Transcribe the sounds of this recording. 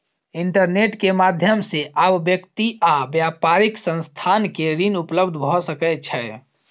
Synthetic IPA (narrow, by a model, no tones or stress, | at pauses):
iɳʈəɾneʈkemad̪ʱjəmseʔabːjəkt̪iʔabjapaɾɪksə̃nst̪ʰankeɾinupləbd̪ʱbʱɔsəkɛt͡ʃʰɛ